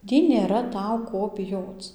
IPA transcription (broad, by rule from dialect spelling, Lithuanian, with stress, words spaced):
ˈtʲiː nʲeːˈrɐ ˈtɐʊ ˈkoː bʲɪˈjoːt͡s